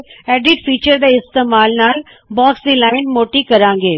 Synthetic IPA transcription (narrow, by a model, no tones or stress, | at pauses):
ɛːɖɪɖfiːt͡ʃəɾd̪eɪst̪eːmaːlnaːl | baːksd̪ĩlaːɪnmoːʈikɐɾãːŋ̆ɡeː